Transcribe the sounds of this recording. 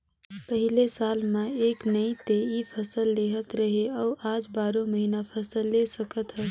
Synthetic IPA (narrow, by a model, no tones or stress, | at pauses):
pəɦilesalmaeknəit̪eipʰəsəlːeɦət̪ɾəɦeauʔad͡ʒbaɾoməɦinapʰəsəlːesəkət̪ɦə